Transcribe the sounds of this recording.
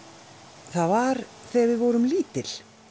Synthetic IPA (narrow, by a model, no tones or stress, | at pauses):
θaðvaɾθɛvɪðvɔɾʏmliːt̪ɪl̥